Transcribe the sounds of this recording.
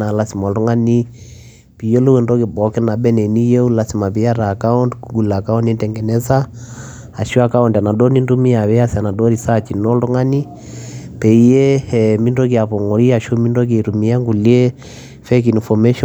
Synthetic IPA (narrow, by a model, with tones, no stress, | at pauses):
na˨la˦si˨mɔ˨ltu˦ŋa˦ni˦ | pi˨je˦lo˦wɛ˨ndo˦kɪ˨bɔ˨kɛ˦na˨bɛ˦nɛ˨ni˦je˦u˦la˨si˨ma˨pi˦a˦ɾaː˨ka˦u˦ndkuɡu˨la˨ka˦u˦ni˦ntɛŋɡɛ˨nɛ˦sa˦ | a˨ʃu˦a˨ka˦unda˨na˨do˦ni˦ndu˦mi˦a˨βɛ˦a˦sa˨na˨do˦ɾi˨sa˦t͡ʃi˨nɔ˦ltu˦ŋa˦ni˦ | pɛ˨i˦je˦ɛmi˦ndo˦ki˨a˨pɔ˨ŋɔ˨ɾi˦a˨ʃo˦mi˦ndo˦k̬e˨ɾumi˦a˦ŋɡu˨li˦e˦ | fɛki˨nfɔ˨me˦ʃɔ